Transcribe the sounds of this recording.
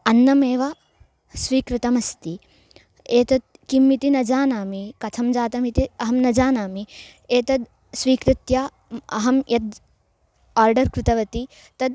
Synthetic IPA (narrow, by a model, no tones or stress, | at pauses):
ɐnːɐmeːʋɐ | sʋiːkɾɪt̪ɐmɐst̪i | eːt̪ɐd̪̚ | kimːit̪inɐd͡ʒaːnaːmikɐt̪ʰɐmd͡ʒaːt̪ɐmit̪iɐɦɐmnɐd͡ʒaːnaːmi | eːt̪ɐd̪ | sʋiːkɾɪt̪ja | ɐ̰ɦɐmjʔɐd̪ | aːɾɖɐɾkɾɪt̪ɐʋɐt̪i | t̪ɐd̪